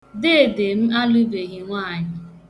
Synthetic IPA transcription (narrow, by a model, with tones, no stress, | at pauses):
de˦e˨de˨m̩˦a˦lu˦be˨ɣi˦ŋʷaː˦˨ɲɪ˦